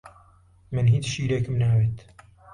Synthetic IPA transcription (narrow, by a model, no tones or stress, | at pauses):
mɨnɦiːt͡sʃiːɾeːkɨmnaːweːt̪